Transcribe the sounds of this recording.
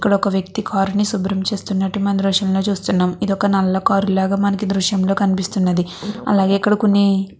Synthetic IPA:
kːɐɽɐɔkɐʋjɐk̚t̪ikʰaːɾunisubɾɐmt͡ʃe̞ːst̪unːɐʈːumɐnd̪ɾɔːʂɐmlo̞ːt͡ʃuːst̪unːaːmid̪ɔkɐnɐlːɐkaːɾulaːɡaːmɐnɐkid̪ɾuʃjɐmlo̞ːkɐnipist̪unːɐd̪iɐ̰laːɡe̞ːikːɐɽɐko̞nːi

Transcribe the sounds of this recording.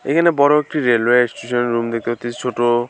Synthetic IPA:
ḛkʰanebɔɾoek̚ʈiɾelwesʈuʃɔnɾumd̪ek̚t̪ot̪it͡ʃʰoʈo

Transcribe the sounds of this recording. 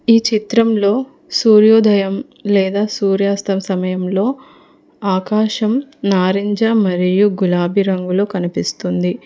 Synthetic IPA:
iːt͡ʃit̪ɾɐmlo̞ː | suːɾjoːd̪ʱɐjɐm | lɛːd̪aːsuːɾjaːst̪ɐmsɐmɐjɐmlo̞ː | aːkaːʃɐmnaːɾiɲd͡ʒaːmɐɾijuɡulaːbʱiɾɐŋɡulo̞ːkɐnipist̪und̪i

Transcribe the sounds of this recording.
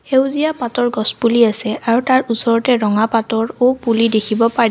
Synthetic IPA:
hewzijapatɔɹɡɔspuliasɛʔaɹutaɹusɔɹɔtɛɹɔŋapatɔɹopulidekʰibɔpaɹ

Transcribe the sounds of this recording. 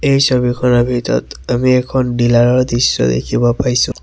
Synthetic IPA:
ejsobikʰɔnabʱitɔ̰t̪amiɛkʰɔnɖilaɹɔɹd̪isːɔ̰d̪ḛkʰibɔpajsʊ̃

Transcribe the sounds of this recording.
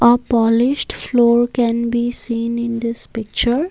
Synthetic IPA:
əpɔlɪʃʈfloːɾkɛ̃nbiːsĩːnɪ̃nd̪ɪspɪk̚t͡ʃəɾ

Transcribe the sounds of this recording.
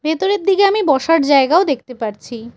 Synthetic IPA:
bʱet̪oɾeɾd̪ikeamibɔʃaɾd͡ʑaeɡaod̪ek̚ʰt̪epaɾt͡ɕʰi

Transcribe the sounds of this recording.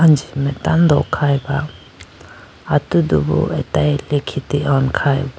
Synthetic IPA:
and͡ʒimɛtand̪ɔkʰajba | atudṵbṵɛtajlekʰitiʔɔnkʰajb

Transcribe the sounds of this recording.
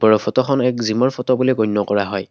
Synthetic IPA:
bɔɹɔpʰɔtɔxʰɔnɛkzimɔɹpʰɔtɔbulekɔjnːɔkɔɹaɦɔj

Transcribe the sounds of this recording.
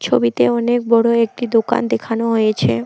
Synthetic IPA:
t͡ɕʰobit̪eɔnek̚bɔɽoek̚ʈid̪oka̰nd̪ekʰanoɦojet͡ɕʰḛ

